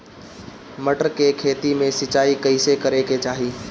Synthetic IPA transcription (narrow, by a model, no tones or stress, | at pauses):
məʈəɾkekʰeːt̪imẽsɪt͡ʃaːikɐɪsekəɾeket͡ʃaːɦiː